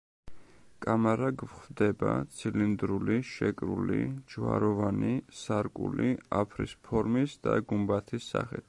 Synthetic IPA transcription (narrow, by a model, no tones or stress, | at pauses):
kʼamaɾaɡvχvd̪ɛbat̪sʰilind̪ɾuliʃɛkʼɾulid͡ʒwa̰ɾɔvanisaɾkʼuliapʰɾḭspʰɔɾmisd̪aɡumbat̪ʰisːa̰χit̪̚ʰ